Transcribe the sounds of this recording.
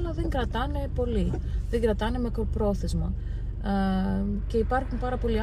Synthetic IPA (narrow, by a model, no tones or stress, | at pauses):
lɐðeŋɡɾɐt̪ɐne̞po̞liðeŋɡɾɐt̪ɐne̞me̞kɾpɾo̞θe̞zmɐ | ce̞ipɐɾxunpɐɾɐpo̞liɐ